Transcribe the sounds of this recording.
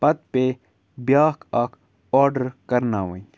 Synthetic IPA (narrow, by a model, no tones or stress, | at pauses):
pɐt̪̚pe | bjaːkʰɐk | aːɖəɾkɐɾnaːwə̰̃i